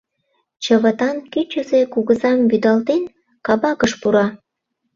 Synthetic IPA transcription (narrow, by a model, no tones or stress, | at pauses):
t͡ɕəβət̪ɑnkyt͡ɕəzekuɣəzɑmbyd̪ɑlt̪en | kɑβɑkəʃpuɾɑ